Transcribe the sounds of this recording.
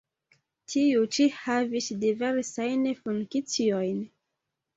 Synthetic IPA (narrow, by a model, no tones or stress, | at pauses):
tʰiut͡ʃihavisdiveɾsajnfuŋkit͡siojn